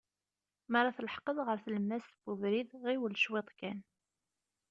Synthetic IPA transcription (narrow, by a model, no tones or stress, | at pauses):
məɾaθləħqəðˤʁəɾθləmːæst̪b̥uvɾiðʁiwəlʃwɪt̪ˤkæn